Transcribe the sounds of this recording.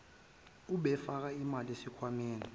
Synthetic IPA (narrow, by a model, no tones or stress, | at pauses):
uɓɛfak̬aimalesikʰwamɛːni